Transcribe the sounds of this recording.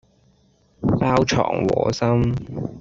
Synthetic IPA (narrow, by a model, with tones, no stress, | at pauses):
paː˥wt͡ʃʰɔ̰ː˨˩ŋwɔː˨˩sɐ˥m